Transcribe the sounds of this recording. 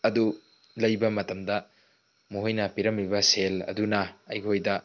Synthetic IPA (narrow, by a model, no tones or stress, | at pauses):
ɐdu | lɐjbɐmɐtɐmdɐ | muɦojnɐpiɾɐmːibɐselɐ̰dunɐɐjkʰojdɐ